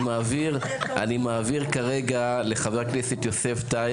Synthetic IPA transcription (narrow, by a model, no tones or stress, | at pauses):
maːviʁa̰nimaːviʁkaʁeɡale̞χaveʁknesitjose̞fta